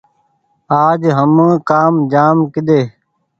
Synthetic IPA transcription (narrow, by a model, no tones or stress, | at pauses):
aːd͡ʒɦəmə̃ːkaːmd͡ʒaːmkɪd̪eː